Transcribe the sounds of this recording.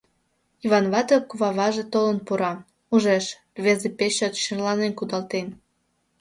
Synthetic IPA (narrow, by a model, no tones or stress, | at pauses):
iβɑnβɑt̪okuβɑβɑʒet̪olənpuɾɑ | uʒeʃ | βezepeɕot̪ʃərlɑnenkud̪ɑlt̪en